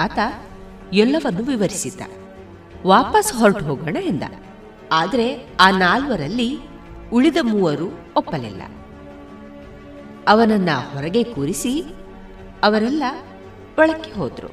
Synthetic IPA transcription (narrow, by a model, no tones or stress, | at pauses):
aːt̪ɐ | ɛlːɐʋɐnːuʋiʋɐɾisit̪ːɐ̰ | ʋaːpɐsɦɔlʈɦoːɡɐːɳɐind̪ɐ̰ | aːd̪ɐɾe̞aːnaːlʋɐɾɐlːi | uɭid̪ɐmuːɐɾu | ɔpːɐlḭlːɐ̰ | ɐʋɐnɐnːɐhɔɾɐɡe̞kuːɾisi | ɐʋɐɾɛlːɐ | ʋɐɭɐkːeɦo̰ːd̪ɾṵ